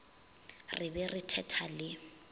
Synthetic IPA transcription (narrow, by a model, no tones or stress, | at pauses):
rɪbɛrɪtʰɛtʰalɪ